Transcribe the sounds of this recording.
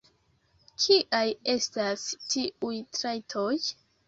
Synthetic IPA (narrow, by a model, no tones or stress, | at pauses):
kʰiʔaje̞stastiʔujtɾajtʰoj